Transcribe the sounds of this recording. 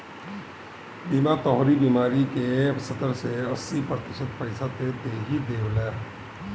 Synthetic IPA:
bimat̪ɔɦoɾibimaːɾikesət̪əɾseəsːipɾət̪ɪʃət̪pəɪsat̪ed̪eːɦid̪eːwlɛː

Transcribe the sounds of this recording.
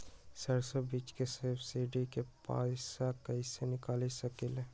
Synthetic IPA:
sɐɾsəbiːt͡ʃkesɐbsiɖikepa̰ːsakɐisenɪkaːlisɐkɪle

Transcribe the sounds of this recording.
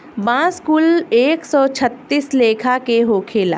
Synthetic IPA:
bãːskuleːksɔːt͡ʃʰət̪ːisleːkʰakeɦoːkʰeːla̰ː

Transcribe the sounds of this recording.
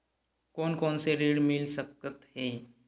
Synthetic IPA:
koːnkoːnseɾiːɽmɪlsək̚tət̪ɦeː

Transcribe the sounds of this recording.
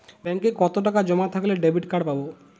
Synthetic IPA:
bɛŋkekɔt̪oʈakad͡ʑɔmat̪ʰakleɖebʱiʈkaɽpabo

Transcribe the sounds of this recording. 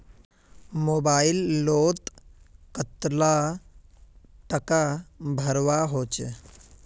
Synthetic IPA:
mobailːot̪kət̪la | ʈəkabʱəɾʋaɦoːt͡ʃ

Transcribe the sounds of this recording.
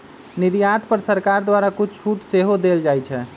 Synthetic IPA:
niɾjat̪pəɾsəɾkaɾd̪waɾakut͡ʃʰt͡ʃʰuʈseɦod̪eld͡ʒajt͡ʃʰɛ

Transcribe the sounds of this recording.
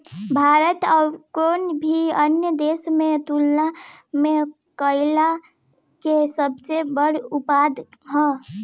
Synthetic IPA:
bʱaːɾət̪ɔkoːnbʱiənjəd̪eːsmẽt̪ulnamẽ | kəɪla | kesəbsebəɽ̤ʊpad̪ʱɦɔ̃

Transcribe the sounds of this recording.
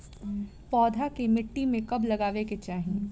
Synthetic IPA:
pɔːd̪ʱakemɪʈːimẽkɐblɐɡaːʋeket͡ʃaːɦĩẽ

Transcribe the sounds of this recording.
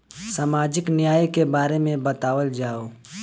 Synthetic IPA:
saːmaːd͡ʒɪknɪjaːjkebaːɾemẽbɐt̪aːʋəld͡ʒaːoː

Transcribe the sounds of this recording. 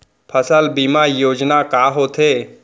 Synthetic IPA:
pʰəsəlbimajoːd͡ʒnakaːɦoːt̪ʰeː

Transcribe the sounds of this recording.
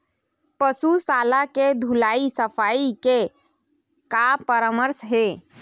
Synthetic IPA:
pəsusalaked̪ʱulaisəpʰaike | kapəɾəməɾsɦe

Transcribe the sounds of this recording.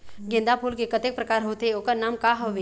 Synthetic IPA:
ɡɪ̃nd̪apʰuːlkekɐt̪eːk̚pɾɐkaːɾɦot̪eoːkənaːmkaɦoʋe

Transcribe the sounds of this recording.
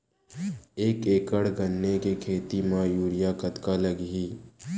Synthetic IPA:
eːkeːkəɽɡʱənːekekʰeːt̪imãjuːɾɪjakət̪kaləɡɦiː

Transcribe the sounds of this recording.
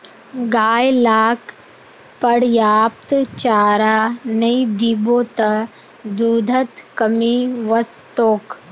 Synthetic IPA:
ɡaːjlaːk | pɐɽjaːp̚t̪t͡ʃaːɾaːnɐid̪iboːt̪ɐ | d̪uːd̪ʱɐt̪kɐmiʋɐst̪oːk

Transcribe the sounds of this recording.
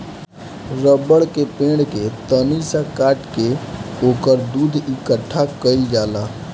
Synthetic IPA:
ɾəbəɽkepẽːɳket̪ənisakaːʈkeoːkəɾd̪uːd̪ʱikəʈʰːakəild͡ʒaːlaː

